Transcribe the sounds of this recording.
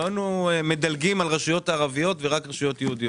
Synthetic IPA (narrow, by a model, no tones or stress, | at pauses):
anueme̞d̪alɡimalʁaʃujo̞t̪aːʁavijo̞t̪veʁakʁeʃujo̞t̪jɛud̪i